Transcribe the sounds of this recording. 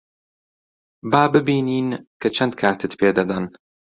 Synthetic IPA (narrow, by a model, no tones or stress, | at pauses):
baːbɨbiːniːnkʰɐt͡ʃʰɐnd̪̚kʰaːt̪ʰɨt̪pʰeːd̪ɐd̪ɐn